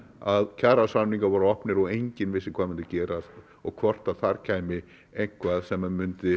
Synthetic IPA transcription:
aðcʰaɾasanniŋkavaːɾʏɔhpnɪɾɔɣejɲcɪnvɪsːɪkʰvaːmʏnt̪ɪcɛːɾa | ɔɣkʰvɔr̥t̪aðθaɾcʰaːjmɪ | ejŋ̥kʰvaːðsɛmamʏnt̪ɪ

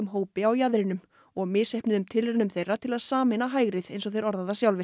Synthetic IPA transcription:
ʏmɦoːwpɪawjaðɾɪnʏm | ɔɣmɪsehpnɪðʏmt̪ʰɪlɛnʏmθejrːat̪ʰɪlaðsaːmɪnaɦaːjɣɾɪðḛjnsɔɣθejɾɔɾðaðasjawlvɪ

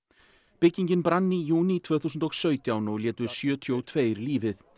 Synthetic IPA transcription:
pɪcːiɲcɪnpɾanːijuːnit̪ʰv̥œːθusʏnt̪ɔɣsœːɥt̪jawnɔɣljɛːt̪ʏɾ̥sjœːt̪ʰjowt̪ʰveːjɾliːvɪθ

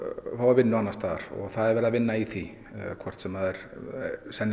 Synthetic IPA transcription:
θawɪɾvɪnːʏanːast̪aːðaɾ̥ɔ̰ɣθaðɛɾvɛːɾðavɪnːaiθi | kʰvɔr̥t̪sɛmaðɛɾ̥ | sɛn

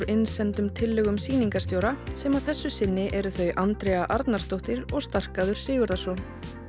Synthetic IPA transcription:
ɾɪnsɛnt̪ʏmt̪ʰɪlːʏɣʏmsiːniŋkaɾ̥st̪jowɾasɛmaðθɛsːʏsɪnːɪʔɛɾʏθœɥʔant̪ɾejaʔaɾt̪naɾ̥t̪owht̪ɪɾɔɣst̪ar̥kaðʏɾ̥sɪːɣʏɾðasɔ

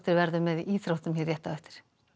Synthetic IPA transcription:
t̪ɪɾvɛɾðʏmɛðiʔiːt̪ɾɔt̪ʏmhiɾjɛht̪ːaœht̪ɪ̥ɾ̥

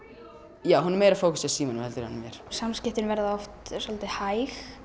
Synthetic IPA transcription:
jaːwɦunɾmeːjɾafoːwkʏsasiːmɔnɪmhɛlt̪ʏɾha̰nmjɛ̰ɾ̥samscɪht̪ɪnvɛɾðaɔft̪sɔlat̪ɪhajx

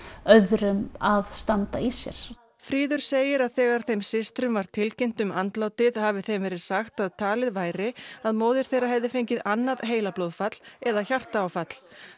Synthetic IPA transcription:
œðɾʏmaðst̪ant̪aisjɛ̰ɾ̥ | fɾiːðʏɾ̥seːjɪɾaðθɛːɣaɾ̥θejmsɪst̪ɾʏmvaɾ̥t̪ʰɪlcejn̥t̪ʏmant̪laːwt̪ɪðhaːvɪθejmvɛːɾɪðsaxt̪aðt̪ʰaːlɪðvaːjɾɪaðmoːwðɪɾ̥θejrahɛvðɪfejɲcɪðanːaðɦeːjlaplowðfat̪l̥ɛðaçar̥t̪aːwfat̪l̥

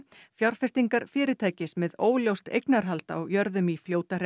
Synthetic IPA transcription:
fjawɾr̥fɛst̪iŋkaɾ̥fɪːɾɪt̪ʰaːjcɪsmɛðoːwljowst̪ḛjknaɾ̥ɦalt̪aɔwjœɾðʏmifljoːwt̪arɛ

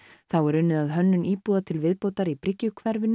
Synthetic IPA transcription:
θawɛɾʏnːɪðaðɦœnːʏniːpuːðat̪ʰɪlvɪðpoːwt̪aɾipʰɾɪcːʏkʰvɛɾvɪnː

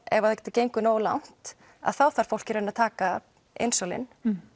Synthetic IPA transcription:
ɛvaðɛcːɛt̪acejŋkʏnoːwla̰wn̥t̪ | a̰ðθawθaɾ̥fowl̥cɪɾenat̪ʰaːka | ḛjnsowlɪ̰n

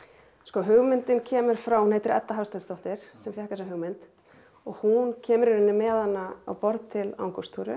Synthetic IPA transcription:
skɔɦʏɣmɪnt̪ɪncʰɛːmʏɾ̥fɾawhunejt̪ɪɾɛ̰t̪ːaɦawst̪anst̪owht̪ɪɾ̥sɛmfjahkasaɦʏɣmɪnt̪ | ɔɣhuncʰɛːmʏɾɪɾɪnːɪmɛːðanːaa̰wpɔɾt̪t̪ʰɪla̰wŋkɔst̪ʰuɾʏ̰

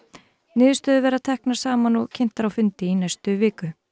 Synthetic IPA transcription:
nɪːðʏ̥st̪œːðʏvɛːɾaðt̪ʰɛhknḁsaːmanɔɣcʰɪn̥t̪aɾawfʏnt̪ɪinajst̪ʏvɪːkʏ

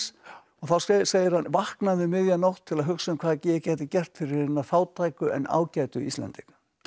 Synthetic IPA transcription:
s | ɔɣθawsseːjɪɾ̥hanvahknavɪmɪðjanowht̪ʰːɪlaðɦʏksʏmkʰvaðɛcɪjɛcɛːt̪ɪcɛr̥t̪fɪɾɪɾɪnːaθaːwt̪ʰaːjkʏʔɛ̰na̰ːwcajt̪ʏḭst̪ɛ̰nt̪ɪk

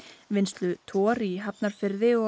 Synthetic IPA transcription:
vɪnst̪lʏt̪ʰɔːɾiɦapnaɾ̥fɪɾðɪɔ

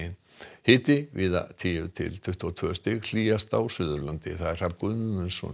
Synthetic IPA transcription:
ɪn | hɪːt̪ɪvɪːða̰t̪ʰiːjʏt̪ʰɪ̰lt̪ʰʏht̪ʰuat̪ʰœːʏst̪ɪɣl̥iːjast̪awsʏðʏɾlant̪ɪ̰θaðɛɾr̥akʏðʏmʏnsɔ̰

